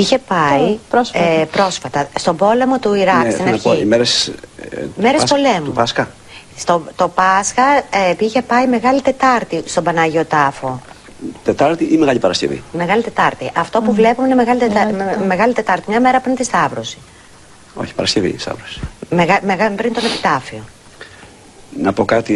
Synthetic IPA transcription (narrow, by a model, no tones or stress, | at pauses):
içe̞pɐiɾspɾo̞sfɐt̪ɐst̪o̞bo̞le̞mo̞t̪uiɾɐkst̪inɐoiimeɾes | meɾesspolempɐskɐ | st̪ot̪o̞pɐskɐiçe̞pɐime̞ɣɐlit̪e̞t̪ɐɾt̪ist̪o̞bɐnɐʝio̞t̪ɐfo̞ | t̪et̪ɐɾt̪iʔinmeɣɐʎipɐɾɐscevḭme̞ɣɐlit̪e̞t̪ɐɾt̪iʔɐft̪o̞puvle̞pumeinemeɣɐlit̪eɐmeɣɐlit̪e̞t̪ɐɾt̪imɲɐme̞ɾɐpuɾint̪ist̪ɐvɾosi̥ | o̞̰çi̥pɐɾɐscevḭst̪ɐ̰vɾosi̥meɣɐmeɣɐpɾint̪o̞nepi̥t̪ɐfio̞ | nɐpokɐt̪i